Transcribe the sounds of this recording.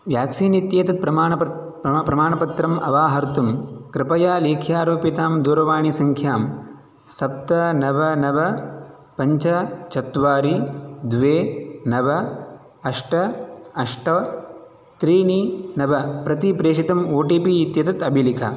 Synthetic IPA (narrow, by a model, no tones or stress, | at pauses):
ʋjaːksiːnit̪jeːt̪ɐt̪̚pɾɐmaːɳɐp | pɾɐmaːɳɐpɐt̪ɾɐmʔɐ̰ʋaːɦɐɾt̪umkɾɪpɐjaːleːkʰjaːɾoːpit̪aːmd̪uːɾɐʋaːɳisɐŋkʰjaːm | sɐp̚t̪ɐnɐʋɐnɐʋɐ | pɐɲt͡ʃɐt͡ʃɐt̪ʋaːɾid̪ʋeːnɐʋɐ | ɐʂʈɐɐʂʈɐ | t̪ɾiːninɐʋɐpɾɐt̪ipɾeːʂit̪ɐmoːʈipiːt̪jɐt̪ɐt̪ɐbʱilikʰɐ̰